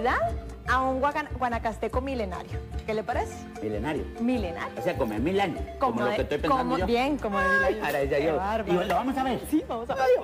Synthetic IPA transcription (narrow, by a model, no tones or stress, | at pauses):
ðað | auŋɡwaɣanɡwanakast̪ekomilena̰ɾjokelepaɾese̥milḛnaɾjo̰milena̰ɾjooseakomemilaɲoskoomolokest̪ojpenkoamoobjeŋkomoeaɾaeʝajoaɾialoβamosaβeɾsiβamosaβeɾjo